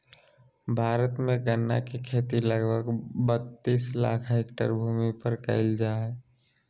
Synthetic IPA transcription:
bʱaːɾət̪mẽɡənːa̰kekʰeːt̪iləɡbʱəɡbət̪ːiːsla̰ːkʰɦeːkʈə̰ɾbʱuːmipəɾkə̰ɪld͡ʒaːɛ

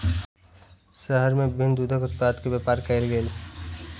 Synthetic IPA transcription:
ʃəɦəɾmẽʋɪbʱɪ̃nd̪uːd̪ʱəkʊt̪t̪aːt̪kebjeːpaːɾkəɪlɡeːl

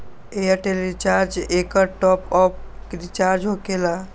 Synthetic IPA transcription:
eəʈelit͡ʃaɾd͡ʒekəʈɔpɔp̚kɾit͡ʃaɾd͡ʒɦokela

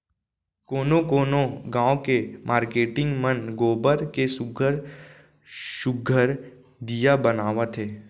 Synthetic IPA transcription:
koːnokoːnoɡãːõkemʔaːɾkeːʈɪ̃ŋɡmənɡoːbəɾkesʊɡʱəɾ | ʃʊɡʱəɾ | d̪ijabənaːʋat̪ʰeː

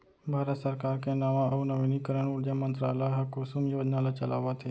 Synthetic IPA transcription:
bʱaːɾət̪səɾkaːɾkẽnaʋãʔəunəʋinikəɾəɳuɾd͡ʒamənt̪ɾaːlajɦɐkosumjoːd͡ʒnalat͡ʃəla̰ːʋat̪ʰe

